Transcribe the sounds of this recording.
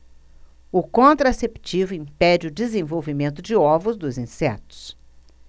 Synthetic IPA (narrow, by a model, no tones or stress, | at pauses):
ʊkõnt̪ɾasept͡ʃivʊĩpɛd͡ʒɪʊd͡ʒɪzẽvowvimẽnt̪ʊd͡ʒɪɔvʊzd̪ʊzĩsɛt̪ʊ̥s